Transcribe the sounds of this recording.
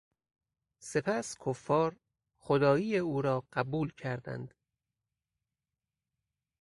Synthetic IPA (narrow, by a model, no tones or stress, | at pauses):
se̞pʰæskʰofːɒːɾ | χod̪ɒːjiːeuːɾɒːɢ̥æbuːlcʰæɾd̪æ̰nd̪̥